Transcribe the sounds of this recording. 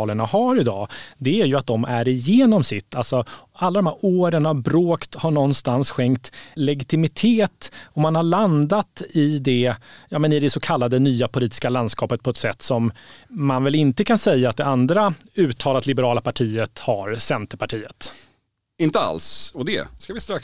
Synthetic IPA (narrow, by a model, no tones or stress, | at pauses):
ləɳahaɾɪd̪ɑːd̪ɛæɾjɵat̪̚d̪ɔmʔæɾɪjeːnɔmsɪt̪ːalsɔalːad̪ɔmhæɾoːɾənavbɾoːkt̪haɳɔnːst̪ansɧɛŋkt̪lɛɡɪt̪ɪmɪt̪ʰeːt̪ɔmanhaɭand̪at̪ɪd̪ɛjɑːmɛnɪd̪ɛsɔkʰalːad̪ənyːapʰʊliːt̪ɪ̥skaland̪skɑːpət̪̚pʰɔɛt̪sɛt̪ːsɔmːanvɛlɪnt̪əkʰansɛjːaːt̪̚d̪ɛand̪ɾaʉ̟ːt̪ʰːɑːlat̪lɪbəɾɑːlapʰaʈʰiːət̪haɾsɛnt̪əpʰaʈʰiːət̪ | ɪnt̪əa̰lsɔd̪ɛ̰skavɪst̪ɾak